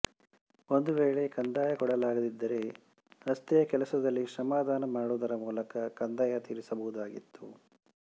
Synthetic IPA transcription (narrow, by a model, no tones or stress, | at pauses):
o̞nd̪uʋeːɭe̞kɐnd̪aːjɐkɔɽɐlaːɡɐd̪id̪ːɐɾe̞ | ɾɐst̪ɛjɐkɛlɐsɐd̪ɐlːiʃɐmaːd̪ʱaːnɐmaːɽud̪ɐɾɐmuːlɐkɐkɐnd̪ajɐt̪iːɾisɐbɐʋud̪aːɡit̪ːu